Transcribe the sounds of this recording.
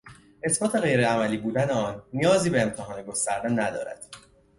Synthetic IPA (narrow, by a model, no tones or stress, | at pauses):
ʔe̞sbɒːt̪ʰe̞ɣe̞jɾeæmæliːbuːd̪æneɒːnːijɒːziːbeːmt̪ʰeɦɒːneɡo̞st̪æɾd̪enæd̪ɒ̰ːɾæ̰d̪̥